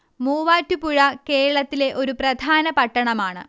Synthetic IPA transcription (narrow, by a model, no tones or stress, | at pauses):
muːʋaːtːupuɻɐke̞ːɻɐɭɐt̪ːile̞ʔo̞ɾuprɐd̪ʱaːnɐpɐʈːɐɳɐmaːɳɨ̰